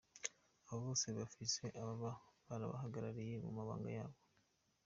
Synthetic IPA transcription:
aβoβo̞ːsiβafise̞ʔaβaβaβaɾa̰βa̰ɦaɡaɾaɾije̞mṵmaβa̰ːŋɡa̰jaːβo̞

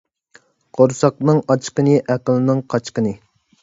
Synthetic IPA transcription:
qʰoɾsɑqnɨŋɑt͡ʃqənɨʔæqəlˠɨnɨŋqʰɑt͡ʃqənɨ

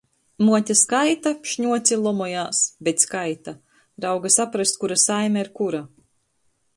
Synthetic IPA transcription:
muɔt̪ʲaskajt̪aʃɲuɔt̪sʲilˠɔmɔjaːsbet̪skajt̪a | ɾawɡasapɾast̪̚kuɾasajmʲɛiɾkuɾa

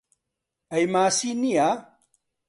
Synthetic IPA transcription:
ɐjmasinia

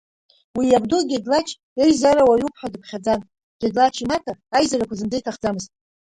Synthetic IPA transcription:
wijabdoɡʲedlat͡ʃʰ | ejzaɾawajupʰħʷᶣadɨpʰχʲad͡zan | ɡ̥ʲedlat͡ʃʰimatʰaːjzarakʷʰazɨnd͡zajtʰaχd͡zamɨztʼ

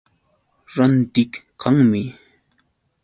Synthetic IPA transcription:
ɾant̪ɪkkaŋmɪ

